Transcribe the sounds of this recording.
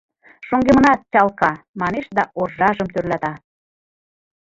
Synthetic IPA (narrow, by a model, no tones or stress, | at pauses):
ʃoŋɡemənɑt̪̚t͡ɕɑlkɑmɑneʃd̪ɑʔorʒɑʒəmt̪ørlæt̪ɑ